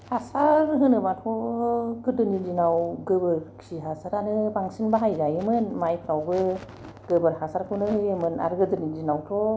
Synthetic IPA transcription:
hasaɾɦɯnɯmatʰɔɡɯdɯnidinawɡɯbɯɾkʰiɦasaɾaɾɯbaŋsinbaɦajzajɯmɯnmajpʰawɡɯ | ɡ̥ɯbɯɾhasaɾkʰuwnɯhɯjɯmɯna̰ɾɯɡɯdɯnidinawtʰɔ

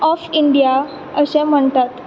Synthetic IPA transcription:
ɔfiɳɖija | əɕɛ̃m̤əɳt̪at̪

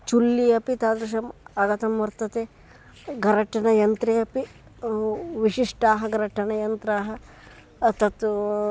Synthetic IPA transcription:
t͡ʃulːijɐpit̪aːd̪ɾɐʃ̬ɐmɐɡɐt̪ɐmʋɐɾt̪ɐt̪e | ɡɐɾɐʈːɐnɐjɐnt̪ɾejɐpi | ʋiʂiʂʈaːɦɐɡɐɾɐʈɐnɐjɐnt̪ɾaːɦɐ | t̪ɐt̪

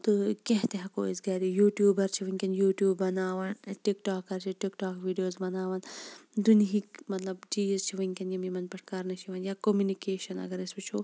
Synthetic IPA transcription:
t̪ɨkẽɦt̪eɦɐkoːisɡɐːɾijuːʈjuːbɐɾt͡ʃʰiʋɐŋʲkʲɐnjuːʈjuːbːɐnaːʋɐnʈikʈaːkːɐɾt͡ʃʰiʈikʈaːkʋiːɖijoːzbɐnaːʋɐnd̪unɦikmɐt̪lɐbd͡ʒiːzt͡ʃʰiʋɐŋʲkʲɐnjimimɐnpɐʈʰkaːɾnɐʃʰiʋɐnjaːkomjunikeːʃɐnɐ̰ɡɐɾɐsbɐt͡ʃʰoː

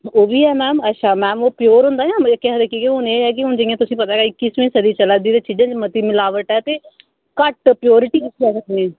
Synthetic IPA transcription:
oːʋiːɛːmɛːmətːʃʰaːmɛːmoːpɪjoːɾɦʊ̃ːnd̪aːjãːmkɛɦd̪ekikeɦʊneːɛːk̬ɪɦʊnd͡ʒəɪ̃ãt̪ʊsĩːpət̪aːɡaːikɪsʋẽːsəd̪iːt͡ʃəlaːd̪iːd̪eːt͡ʃiːd͡ʒə̃d͡ʒmət̪iːmɪlaːʋəʈɛːt̪eː | kəʈpɪjoːɾɪʈiːkɪt̪ʰːiɛːsəknẽː

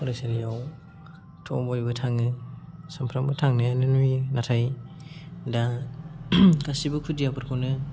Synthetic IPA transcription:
ɔɾasaɾijaw | tʰɔbɔjbɯtʰaŋɯsampʰɾambɯtʰaŋnɯanɯnujnatʰaj | da | ɡasibɯkʰudijapʰɯɾkʰawnɯ

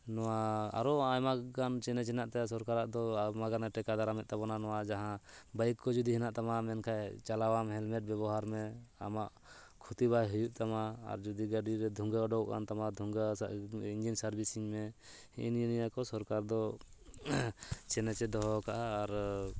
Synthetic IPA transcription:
nɔwaa̰ɾɔajmaɡant͡ʃɛnɛt͡ʃɛnaʔt̪ɛas̬ɔɾkaɾaʔd̪ɔmaɡanɛʈɛkad̪aɾamɛt̪̚t̪abɔnanɔwad͡ʒaɦãbajkkɔd͡ʒud̪iɦɛnaʔt̪amamɛnkʰajt͡ʃalawamɦɛlmɛʈ̚bjɛβɔɦaɾmɛa̰maʔ | kʰut̪ibajɦujuʔt̪ama̰ːɾd͡ʒud̪iɡaɖiɾɛd̪ʱuŋɡaɔɖɔwʔka̰nt̪amad̪ʱuŋɡaiɲd͡ʒinsaɾbisiŋmɛ | ḭnjinijakɔsɔɾkaɾd̪ɔ | t͡ʃɛnɛt͡ʃɛd̪ɔɦɔkaʔaːɾ

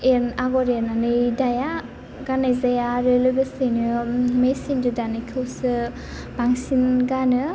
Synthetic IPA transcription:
enaɡɔɾenanɯdaja | ɡanajzajaɾɯlojbɯsɯjnɯmesindudanɯkʰɯwsɯ | baŋsinɡanɯ

